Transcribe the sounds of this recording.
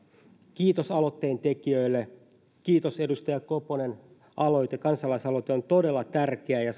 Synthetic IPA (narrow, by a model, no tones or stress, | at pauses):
kiːt̪osɑlot̪ːeːnt̪ekiøilːe | kiːt̪ose̞dust̪ɑjɑkoponen | ʔɑlo̞jt̪ekɑnsɑlɑisɑlojt̪eont̪ode̞lːɑt̪ærkeæjɑ